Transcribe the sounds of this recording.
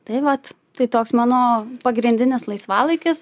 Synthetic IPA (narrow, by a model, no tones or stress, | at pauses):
t̪ɐɪʋɐt̪ | t̪ɐɪt̪oːksmɑːnoːpɐɡɾʲɪnʲd̪ʲɪnʲɪslˠɐɪsʋɑːlˠɐɪkʲɪs